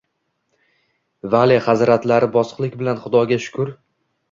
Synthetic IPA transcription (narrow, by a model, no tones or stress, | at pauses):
valaχazɾat̪laɾɪbɒsqlˠɪkʲbɪlanχʊd̪ɒɡʲaʃʊ̥kʰʊɾ